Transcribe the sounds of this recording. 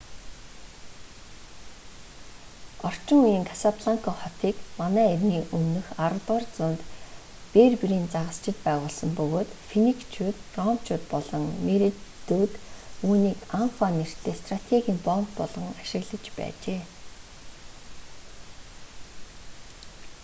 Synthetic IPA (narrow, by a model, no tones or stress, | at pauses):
ɔr̥t͡ɕɪ̆ŋujiːŋkʰasapʰɮaŋkʰɔχɔt̪iːkmanæːerʲniːʔɵmnɵ̆xaɾə̆t̪ərt͡sʊːnt̪ | peːrpiɾiːnt͡saʁə̆st͡ɕɪ̆t̪̚pæːʁʊːɮsə̆mpɵɣoːt̪finikt͡ɕʰuːt̪rɔmt͡ɕʰuːt̪̚pɔɮɞ̆ŋmeɾit̪ːut̪uːniːkanfaner̥t̪eːst̪rat̪ʰeɣʲiːŋpɔmpːɔɮʁɞ̆ŋaʃɪ̆ɣɮə̆t͡ɕpæ̰ːt͡ɕeː